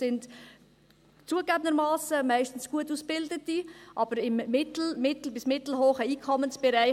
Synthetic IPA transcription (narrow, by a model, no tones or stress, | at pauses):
sɪnt | t͡suəɡæbənd̪əɾmɑːsəmɛɪstn̩sɡ̥uətuːsb̥ɪldətiʔɑb̥əɾɪmːɪtl̩mɪtl̩bɪsmɪtl̩hoːχəiːkʰɔmənsb̥ɛɾɛɪ